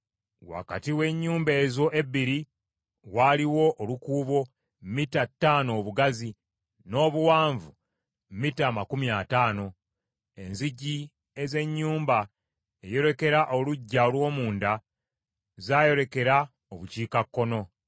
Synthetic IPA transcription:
wa̰katiwe̞ɲːuːmbe̞ːzo̞ʔeβiɾi | waːliwo̞ʔːlukuːβo̞ | mmitatːaːno̞ːβuɡazi | no̞ːβuwaːɱvu | mmitaːmakumiataːno̞ | e̞nziɟi | e̞ze̞ɲːuːmba | ejo̞ɾe̞ke̞ɾaʔoluɟːaolwo̞ːmuːnda | zaːjo̞ɾe̞ke̞ɾa | oβuciːkakːo̞no̞

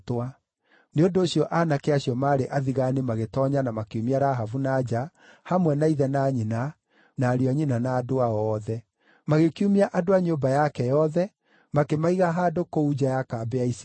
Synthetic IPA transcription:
twa | neondoːɕiɔʔanakeaɕjɔmaːɾeʔaðiɣanemaɣetɔɲanamakeumiaɾaɦavunad͡ʑa | hamwɛnaiðɛnaɲina | naːɾiaɲinanaːdoaɔðɛ | maɣekiumiaʔadoaɲobajakɛjɔðɛ | makemaiɣaɦaːdokoud͡ʑajakabɛais

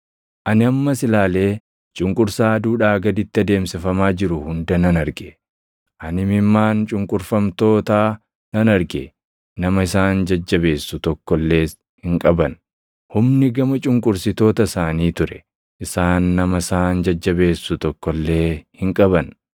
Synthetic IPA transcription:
ʔɐnɪɐmːɐsɪlaːle̞ː | t͡ʃʼʊŋkʼʊɾsaːd̪uːᶑaːɡɐd̪ɪt̪ːɪɐd̪e̞ːmsɪfɐmaːd͡ʒɪɾʊhʊnd̪ɐnɐnɐɾɡe | ʔɐnɪmɪmːaːnt͡ʃʼʊŋkʼʊɾfɐmt̪o̞ːt̪aː | nɐnɐɾɡe | nɐmɐɪsaːnd͡ʒɐd͡ʒːɐbe̞ːsːʊt̪ɔkːɔlːe̞ː | hɪŋkʼɐbɐn | hʊmnɪɡɐmɐt͡ʃʼʊŋkʼʊɾsɪt̪o̞ːt̪ɐsaːniːt̪ʊɾɛ | ʔɪsaːnːɐmɐɪsaːnd͡ʒɐd͡ʒːɐbe̞ːsːʊt̪ɔkːɔlːe̞ːhɪŋkʼɐbɐn

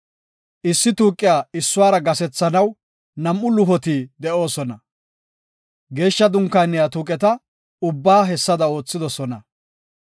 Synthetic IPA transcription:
ʔɪsːɪt̪uːkʼːɪjaːɪsːʊwaːɾɐɡɐsɛt͡sːɐnɐw | nɐmʔʊlʊɦɔt̪iːd̪ɛʔo̞ːsɔnɐ | ɡe̞ːʃːɐd̪ʊŋkːanːɪjat̪uːkʼɛt̪ɐ | ʊbːaːɦɛsːɐd̪ɐo̞ːt͡sːɪd̪ɔsɔnɐ

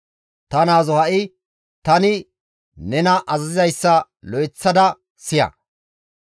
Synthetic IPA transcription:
t̪ɐnaːzɔhɐʔɪ | t̪ɐnɪ | nɛnɐʔɐzɐzɪzɐjsːɐ | lɔjt͡sːɐd̪ɐ | sɪjɐ̰

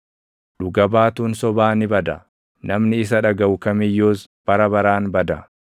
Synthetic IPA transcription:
ᶑʊɡɐbaːt̪uːnsɔbaːnɪbɐd̪ɐ | nɐmnɪɪs̬ɐᶑɐɡɐwʊkɐmɪjːoːsb̥ɐɾɐbɐɾaːnbɐd̪ɐ

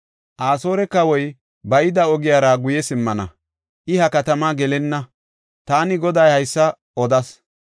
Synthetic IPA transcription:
ʔaːsoːɾɛkːɐwɔj | bɐjɪd̪ɐɔɡɪjaːɾɐɡʊjɛsɪmːɐnɐ̰ | ʔɪhɐkɐt̪ɐmaɡɛlɛnːɐ | t̪aːnɪɡɔd̪ɐjhɐjsːɐ | ʔɔd̪ɐs

